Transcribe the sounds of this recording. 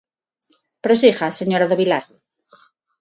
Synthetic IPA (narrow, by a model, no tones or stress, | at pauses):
pɾosixaseɲoɾaðoβilaɾ